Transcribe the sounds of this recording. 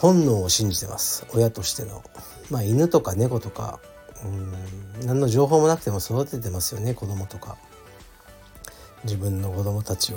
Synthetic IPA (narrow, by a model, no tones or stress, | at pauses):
hõ̞nːo̞ːoɕĩɲ̟d͡ʑit̪e̞ma̰sɨ̥o̞jat̪o̞ɕi̥t̪e̞no̞̰ | maːinɯ̟t̪o̞kane̞ko̞t̪o̞ka̰ | ɯ̟̃ɴnãnːo̞ʑo̞ːɦo̞ːmo̞nakɯ̟t̪e̞mo̞so̞d̪at̪ːet̪e̞masɨjo̞ne̞ko̞d̪o̞mo̞t̪o̞ka̰ | d͡ʑibɯ̟̃nːo̞ko̞d̪o̞mo̞t̪at͡ɕia